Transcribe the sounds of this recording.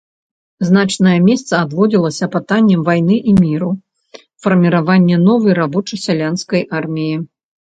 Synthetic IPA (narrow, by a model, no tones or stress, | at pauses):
znat͡ʂnɐjɛmʲɛst̪sɐad̪vɔd͡zʲilˠɐsʲɐpɨt̪anʲːɛmvajnɨʔimʲiɾu | fɐrmʲiɾavanʲːɛnɔvɐjɾabɔt͡ʂɐjsʲalʲanskɐjʔarmʲiji